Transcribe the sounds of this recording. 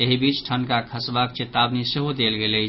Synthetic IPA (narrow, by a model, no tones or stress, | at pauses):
eɦibit͡ʃʈʰənkakʰəsbakt͡ʃet̪abniseɦod̪elɡelət͡ʃ